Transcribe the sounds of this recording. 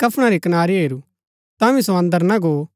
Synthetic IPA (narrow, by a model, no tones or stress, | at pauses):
kɐpʰɽ̃aɾikɐnaːɾiɦeːɾu | t̪ãʋĩsõɐ̃nd̪əɾnɐɡo